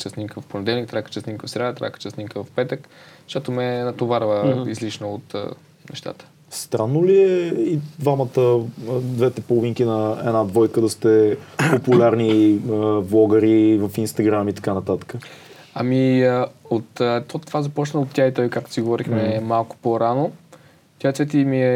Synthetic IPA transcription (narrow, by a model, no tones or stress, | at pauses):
t͡ʃɛsnimkəvɐfponɛd̪ɛlˠnik̚t̪ɾakə̥t͡ʃɛsnimkəfsɾʲad̪ət̪ɾa̰kə̥t͡ʃɛsnimkəvɐfpɛt̪əkʃt̪ot̪omɛnɐt̪ovaɾvəizliʃnəot̪ː | nɛ̰ʃt̪a̰t̪ə̥ | st̪ɾanːoliɛid̪vamət̪əd̪vɛt̪ɛpolˠoviŋkinɐɛ̰nad̪vɔjkəd̪əst̪ɛpopulʲaɾniəvlˠɔɡəɾivəfinst̪ɐɡɾamit̪ɐ̥kanɐt̪at̪ə̥kə | amiəot̪t̪ɔt̪ovazɐpɔt͡ʃnəot̪ʲːjait̪ɔjkak̚t̪o̥siɡovɔɾixmɛmalˠkʊ̥poɾano | t̪jat̪vɛt̪imiɛ